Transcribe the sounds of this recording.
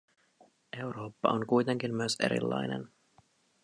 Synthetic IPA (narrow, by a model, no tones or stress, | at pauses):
e̞wɾo̞ːpːɑoŋkujt̪e̞ŋk̟inmyøse̞̰ɾḭlːɑ̰jnḛn